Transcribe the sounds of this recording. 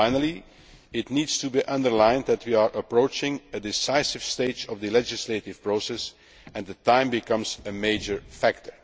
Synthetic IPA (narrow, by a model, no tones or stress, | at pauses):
aɪnəlˠi | ɪtniːdstubiʔʌ̃ndəɹlãɪ̃nd̪æt̚wiaɹʔəpɹoʊt͡ʃɪ̃ŋədɪsaɪsɪv̥steɪd͡ʒɔvdəlɛd͡ʒɪsleɪtɪv̥pɹoʊsɛs | ɛ̃nðətãɪ̃mbɪkʌ̃mzəmeɪd͡ʒəɹfæk̚təɹ